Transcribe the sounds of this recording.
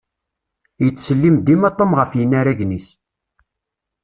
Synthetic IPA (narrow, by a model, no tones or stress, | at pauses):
jət͡sːsəlːimd̪imɑt̪ˤːəmʁəfjənːaɾæʝnis